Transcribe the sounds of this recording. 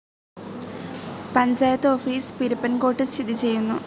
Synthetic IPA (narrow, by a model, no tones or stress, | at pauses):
pɐɲd͡ʑaːjɐt̪ːɨoːfiːspiɾupːɐnko̞ːʈːɨstid̪ʱːit͡ɕe̞jːunːu